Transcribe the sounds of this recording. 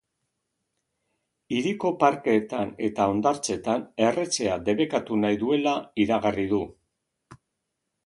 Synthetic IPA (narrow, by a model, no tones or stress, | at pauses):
iɾiko̞paɾkeːt̪ane̞t̪ao̞nd̪aɾt͡se̞t̪ane̞re̞t͡se̞ad̪e̞βe̞kat̪unajðue̞laiɾaɣariðu